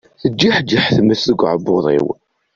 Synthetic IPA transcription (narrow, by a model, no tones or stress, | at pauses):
θəd͡ʒːiħd͡ʒːiħθmːəsəɡʷʕəboðˤḭw